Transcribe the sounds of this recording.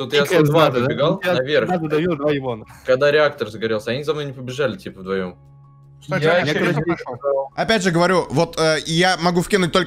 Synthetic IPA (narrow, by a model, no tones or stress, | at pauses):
t̪ot̪ɨjasɐzvazdbʲɪɡalˠjanɐvʲerxazəd̪ɐvʲilˠd̪vajɪvonəkɐɡd̪aɾʲɪak̚t̪ərzəɡɐɾʲelˠsʲəɐnʲizɐmno̞jnʲɪpəbʲɪʐalʲɪtʲipəvd̪vɐjo̞̰m | janʲe | ɐpʲædʲʐɨɡəvɐɾʲuvo̞t̪ʰəjamɐɡufkʲinʊt̚ʲt̪ok